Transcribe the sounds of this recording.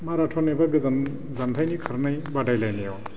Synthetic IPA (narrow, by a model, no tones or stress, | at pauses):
maɾatʰɔnabaɡɯza | zantʰajnikʰɯɾnajbadajlajnijɔ